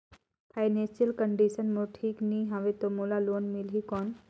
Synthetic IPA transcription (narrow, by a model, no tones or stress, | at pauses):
pʰajnẽnsijəlkəɳɖisənmoʈʰiːkniːɦãʋet̪omoːlaloːnmilɦikɔːn